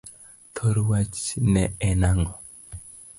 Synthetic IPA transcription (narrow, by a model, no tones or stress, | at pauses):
t̪ʰoɾwat͡ʃnɛɛnaŋɔ